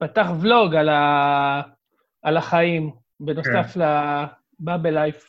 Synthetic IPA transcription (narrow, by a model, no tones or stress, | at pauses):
pataχvloɡala | ʔalaχaim | beno̞safla | babelajf